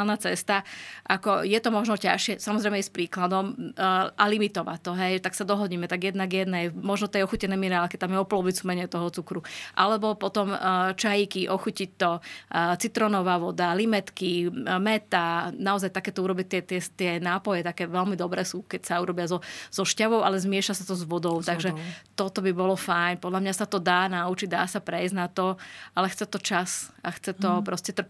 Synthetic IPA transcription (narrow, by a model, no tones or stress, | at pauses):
lnat͡sɛst̪aʔakɔjɛt̪ɔmɔʒnɔcaʃɪɛsamɔzɾɛɪjmɛɛspɾiːklad̪ɔmʔalimit̪ɔʋa̰ct̪ːɔɦɛjt̪aksad̪ɔɦɔɟiːmɛt̪aɡjɛd̪naɡjɛd̪nɛjmɔʒnɔt̪ɛjɔxucɛnɛjminɛɾaːlkit̪amjɛɔpɔlɔʋit͡sumɛɲɪɛt̪ɔɦɔt͡sukɾuʔalɛbɔpɔt̪ɔmt͡ʃajikiʔɔxucic̚t̪ɔt͡sit̪ɾɔnɔʋaːʋɔd̪alimɛt̪kimɛt̪anaɔzajt̪akɛːt̪ɔuɾɔbic̚t̪ɛt̪ɪɛt̪ɪɛnaːpɔjɛt̪akɛːʋɛlmid̪ɔbɾɛːsuːkɛcsauɾɔbɪazɔz̥ɔʃcaʋɔʊʔalɛzmɪɛʃasat̪ɔzʋɔd̪ɔʊt̪aɡʒɛt̪ɔt̪ɔbibɔlɔfajɲpɔd̪lamɲasat̪ɔd̪aːnaut͡ʃiɟ̚d̪a̰ːsapɾɛjznat̪ɔalɛxt͡sɛt̪ɔt͡ʃasaxt͡sɛt̪ɔpɾɔscɛt̪r̩